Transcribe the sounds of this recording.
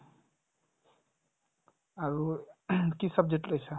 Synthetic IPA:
aɹukisʌb̚d͡ʒek̚ʈlojsʰa

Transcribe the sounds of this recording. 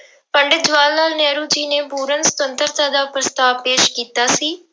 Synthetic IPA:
pəɳɖɪd͡ʒʋaːlnaːlnɛːɾuːd͡ʒiːneːbuːɾənsə̥t̪ənt̪əɾt̪aːd̪aːpɾəst̪aːʋpeːʃkiːt̪aːsiː

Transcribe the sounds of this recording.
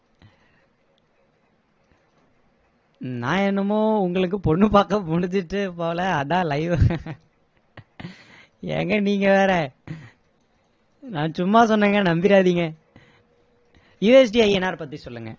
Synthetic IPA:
nã̰ːɛnːɯmoːʊŋɡɐɭɯk̬ːɯpɔɳːɯpaːkːɐmʊɽɪd͡ʒɯʈːɯpːoːlɐɐðãːlɐɪʋɯ | ɛ̰ːŋɡɐniːŋɡɐʋeːɾɛ | nãːt͡ʃʊmːaːsɔnːeːŋɡɐnɐmbɪɾaːðiːŋɡɐ | juːɛsɖiɐɪɛnaːɾpɐt̪ːisɔlːɯŋɡɐ̰

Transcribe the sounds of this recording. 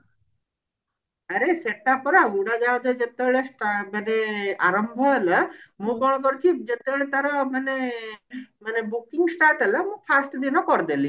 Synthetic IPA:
əɾeseʈapɔɾaɡuɽad͡ʒad̪ad͡ʒet̪ːeɭesʈaməneaɾɔmbʱɔɦeləmũkɔɽ̃k̬ɔɾkid͡ʒet̪eɭet̪aɾɔməne | mənebukiŋɡsʈaɾʈələmũpʰasʈd̪inɔkɔɾd̪eli

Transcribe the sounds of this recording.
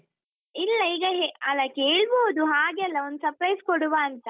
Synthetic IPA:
ilːɐiːɡɐɦeɐlɐkeːɭboːd̪uɦaːɡɛlːɐond̪usɐpɾɐjskɔɽuʋaːnt̪ɐ

